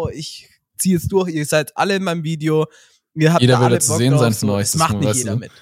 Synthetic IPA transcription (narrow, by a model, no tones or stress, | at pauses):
ɪç | t͡siːɛsd̥ʊɐçiːɐzaɪtʔa̰ləɪnmaɪnəmviːdeo | iːɐɦaːjeːɾɐvɪɐdət͡suzeːənnzaɪnfɔnɔʏç̥maχtnɪajseːdɐmɪt